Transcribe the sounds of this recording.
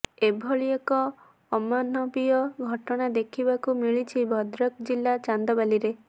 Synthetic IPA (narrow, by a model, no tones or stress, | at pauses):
ebʱɔɭiekɔː | manɔbiɔɡʱɔʈɔɽ̃ad̪ekʰibakumiɭit͡ʃʰibʱɔd̪ɾɔk̚d͡ʒilːat͡ʃand̪ɔbaliɾe